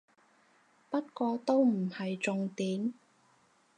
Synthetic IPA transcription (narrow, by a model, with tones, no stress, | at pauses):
pɐ˥t̚kʷɔː˧t̪o˥wm̩˨˩hɐ˨jt͡sʊ˨˧ŋt̪iː˨˥m